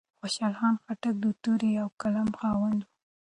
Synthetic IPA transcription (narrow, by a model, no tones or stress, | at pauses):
xoʃɑlxɑnxaʈak̚d̪ut̪uɾiawkalamxɑwand̪wu